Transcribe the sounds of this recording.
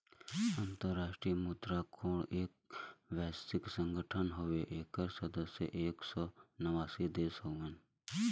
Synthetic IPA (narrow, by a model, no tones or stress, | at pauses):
ə̃nt̪əɾːaːʃʈɾijəmuːd̪ɾakʰoːɽeːk̚ʋɛːsɪksə̃ŋɡəʈʰənɦoʋeʔeːkəɾsəd̪əsjə̰ʔeːksɔːnəʋaːsid̪eːsoʋən